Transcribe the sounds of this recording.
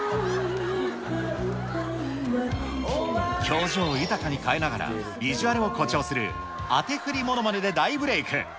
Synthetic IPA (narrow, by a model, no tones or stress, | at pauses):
kʲʰo̞ːʑo̞ːɯt̪akaɲ̟ikaenaɡaɾa̰ | iʑiβaɾɯo̞ko̞t͡ɕo̞ːsɨɾɯ̟̰ | a̰t̪e̞ɸɯ̟ɾʲimo̞no̞mane̞d̪e̞d̪aibɯ̟ɾe̞ikɯ̰̃